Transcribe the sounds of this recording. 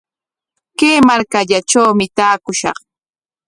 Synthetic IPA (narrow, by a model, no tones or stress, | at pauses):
keːmaɾkaʎat͡ʃawmɪt̪aːkʊʃɑ̰χ